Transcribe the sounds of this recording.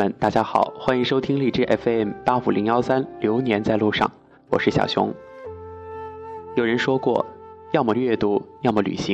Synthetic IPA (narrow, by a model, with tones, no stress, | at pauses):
ə˧˩nt̪a˥˩t͡ɕja˥xɑ˨˩˦ʊxwa˥i˧˥ŋʂo˥ʊt̪ʰi˥ŋli˥˩ʈ͡ʂɻ̩˥˩ʔɛ˥˩fɛ˥˩mpa˥fu˨˩li˧˥ŋjɑ˥ʊsa˥nljo˧˥ʊnjɛ˧˥nt͡sa˥˧ɪlu˥˧ʂɑ̰˥˩ŋ | wɔ̰˨˩ʂɻ̩˥˩ɕjɑ̰˨˩ʊɕjʊ̰˧˥ŋ | jo˨˩ʊɻə˧˥nʂwɔ˥kwɔ̰˥˧˩jɑ˥˧ʊmɔ˥˧ɥɛ˥˩t̪u˥jɑ˥˧ʊmɔ˥˩ly̰˨˩ɕi˧˥